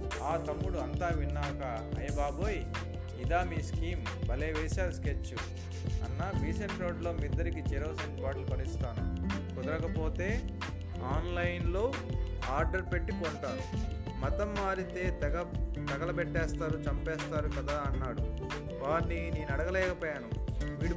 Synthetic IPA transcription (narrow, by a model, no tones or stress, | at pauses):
aːt̪ɐmːuɽuɐnt̪aːʋinːaːkɐ | ɐ̰jɐbaːboːji | id̪aːmiːskiːm | bɐleːʋɛːsaːsket͡ʃːu | ɐ̰nːaːʋiːsɐɳʈɾo̞ːɖlo̞ːmid̪ːɐɾikit͡ʃɛɾoːsɐɳʈpaːʈlupɐnist̪aːnukɔd̪ɐɾɐkɐpo̞ːt̪e̞ː | aːnlɐjnlo̞ː | aːɾɖɐɾpeʈːipoːɳʈaːni | mɐt̪ɐmːaːɾit̪e̞ːt̪ɐɡɐt̪ɐɡɐlɐp̬eʈːɛːst̪aːɾut͡ʃɐmpɛːst̪aːɾukɐd̪aːɐnːaːɽu | ʋaːnnineːnɐɽɐɡɐlɛːkɐpoːjaːnuʋiːɽu